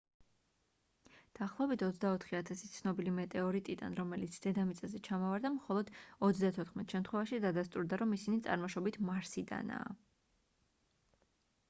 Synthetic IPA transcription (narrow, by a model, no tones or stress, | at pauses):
d̪̥aːχlˠɔɛbit̪ʰɔt̪sd̪aɔt̪ʰχiat̪ʰasi̥t̪sʰnɔbilimɛt̪ʼɛɔɾit̪ʼid̪a̰nɾɔmɛlit̪sʰd̪̥ɛd̪amit̪sʼɛzɛt͡ʃʰamɔvaɾd̪amχɔlˠɔd̪̥ɔt̪s̬d̪at̪ʰɔt̪ʰχmɛt̪ʰʃɛmt̪ʰχwɛvaʃid̪ad̪ast̪ʼuɾd̪aɾɔmisinit̪sʼa̰ɾmɔʃɔbit̪ʰmaɾsid̪a̰na̰ː